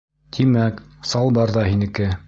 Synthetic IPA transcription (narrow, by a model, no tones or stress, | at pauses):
t̪ʰimæksɑlˠbɑɾðɑhinɘ̆kɘ